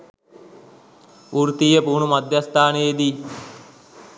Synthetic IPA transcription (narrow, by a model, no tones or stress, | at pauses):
uɾt̪iːjəpuːɳumad̪ʱjast̪ʰaːnejed̪i